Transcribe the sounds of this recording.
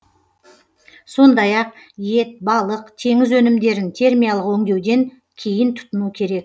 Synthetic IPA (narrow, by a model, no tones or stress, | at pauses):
so̞nd̪ɑjɑq̚je̞t̪̚bɑlˠəqt̪ʰe̞ŋɪzwɵnɪmd̪e̞ɾɪnt̪ʰe̞ɾmijalˠəqwɵŋd̪e̞wd̪e̞ŋ | kʲʰe̞jɪnt̪ʰʊ̥t̪ʊnukʲʰe̞ɾe̞k̚